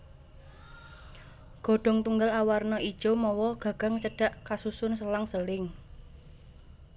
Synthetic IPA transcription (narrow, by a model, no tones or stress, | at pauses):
ɡ̥o̤ɖ̥ɔ̤ŋt̪uŋɡalawarnɔʔid̥ʒ̥omɔwɔɡ̥ä̤ɡ̥a̤ŋt͡ʃəɖ̥a̤ʔkasusʊnsəlaŋsəlɪŋ